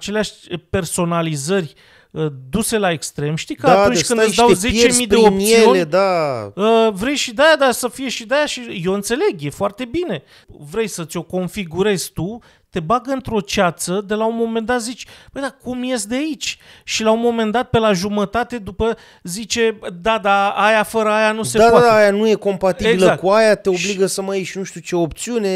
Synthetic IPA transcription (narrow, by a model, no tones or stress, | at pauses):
at͡ʃe̞leaʃʲpe̞rso̞nalizərʲ | əd̪use̞lae̞kst̪ɾe̞mʃt̪ikəatunt͡ʃʲkɨnɨsd̪awze̞t͡ʃemmijd̪eomp̪isionʲed̪aəvɾe̞jʃid̪ajad̪asəfije̞ʃid̪ajaʃijewɨnt̪se̞le̞ɡje̞foart̪e̞bine̞ | vɾe̞jsət̪sʲo̞ko̞nfiɡuɾe̞z̥ʲt̪u | t̪e̞baɡɨnt̪ɾo̞t͡ʃat̪səd̪e̞launmo̞me̞nd̪at̪zit͡ʃʲbəjd̪akumje̞st̪d̪eait͡ʃʲʃilaunmo̞me̞nd̪at̪̚pe̞laʒumət̪at̪e̞d̪upə | zit͡ʃe̞d̪ad̪aajafəɾəajanusead̪ad̪aajanuje̞ko̞mpat̪ibeilzləak̚kuajat̪eo̞bliɡəsəməjeʃnuʃt̪ʲut͡ʃe̞op̚t̪siune̞